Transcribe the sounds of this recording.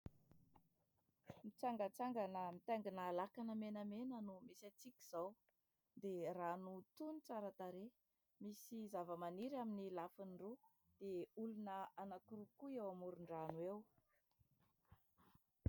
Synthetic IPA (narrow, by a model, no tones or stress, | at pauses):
mit͡saŋɡət͡saŋɡanəmit̪aŋɡinaːlakanəmenəmenənumesat͡sikʲi̥z̥aw | d̪eranut̪unit͡saɾət̪aɾe | misizavəmaniɾaminilafinɖ͡ʐu | d̪̥eulunəanakuɾukuewamuɾuɳɖ͡ʐanuew